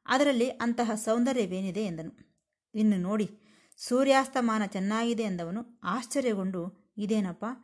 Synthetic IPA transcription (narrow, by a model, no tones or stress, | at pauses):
ɐ̰d̪ɐɾɐlːiʔɐnt̪ɐɦɐsɐwnd̪ɐɾeʋe̞ːnid̪e̞ːnd̪ɐnu | inːuno̞ːɽi | suːɾjaːst̪ɐmaːnɐt͡ʃɛnːaːɡid̪e̞ːnd̪ɐʋɐnuaːʃt͡ʃɐɾjɐɡo̞ɳɖu | id̪e̞ːnɐpːaː